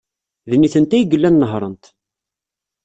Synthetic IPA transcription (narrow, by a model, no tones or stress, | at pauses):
ðnːiθənt̪æjəɡəlːænːəɦɾˤə̰nt̪